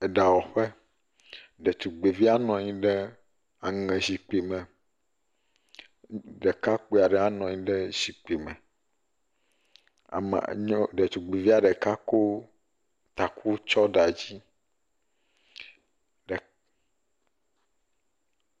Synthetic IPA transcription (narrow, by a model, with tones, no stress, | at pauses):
ɛ˨ɖa˨wɔ˨ɸɛ˦ | ɖɛ˨t͡ʃu˨ɡ͡be˨vi˦a˦nɔ̃˨ɲĩ˦ɖɛ˦ | a˨ŋɛ̃˨zi˨k͡pi˨mɛ̃˨ | ɖɛ˨ka˦k͡pu˦˨a˨ɖɛ˨a˦nɔ̃˨ɲĩ˦ɖɛ˦zi˨k͡pi˨mɛ̰̃˨ | a̰˨m̰˨ɲ˦ɖɛ˨t͡ʃu˨ɡ͡be˨vi˦a˨ɖɛ˨ka˦ko˦ | t̪a˨kʰu˦t͡ʃɔ˦ɖa˨d͡ʑi˦ | ɖɛ˨